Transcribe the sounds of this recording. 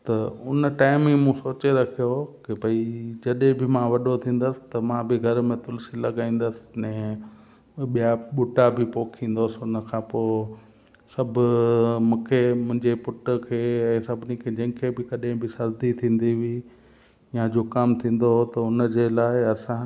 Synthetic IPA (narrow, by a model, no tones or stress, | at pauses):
t̪ɐʊnʈaːɪmĩmũsoːt͡ɕeɾɐkʰijokɪbʱɐid͡ʑɐɗɦẽbɪmãʋɐɗot̪ʰĩːn̆d̪əsɪ̥̆t̪ɐmãːbɪɡʱɐɾmẽt̪ʊlsilɐɡaːĩːn̆d̪əsɪ̥ɛ̃ː | ɓijaɓʊʈabʱɪpoːkʰĩːn̆d̪osɪʊnəkʰãːpoː | sɐbʱʊmũːkʰemʊ̃ɦɪ̃ɲd͡ʑepʊʈ̆kʰeːɛ̃ːsɐbʱɪnikʰeːd͡ʑɐ̃ːɪ̃kʰebɪkɐɗɪ̃bɪsɐɾd̪it̪ʰĩːn̆d̪iʋi | jãd͡ʑoːkɐmt̪ʰĩːn̆d̪oɦot̪ɐʊnd͡ʑelaːɪɐsã